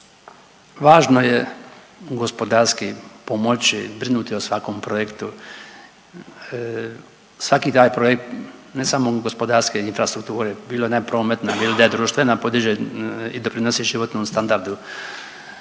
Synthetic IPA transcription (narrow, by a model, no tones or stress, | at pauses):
ʋaːʒno̞je | ɡo̞spod̪aɾskipo̞mo̞t͡ʃibɾinuːt̪iosʋako̞mpɾo̞jekt̪u | sʋakiːt̪aːjpɾo̞jek̚t̪ne̞samo̞ɡospo̞d̪aɾskeinfɾast̪ɾuk̚t̪uːɾebiːlojenapɾo̞ːme̞t̪nailid̪ajed̪ɾuːʃt̪ʋe̞napo̞d̪iʒeid̪o̞pɾinosiʒiʋo̞t̪noːmst̪and̪aɾd̪u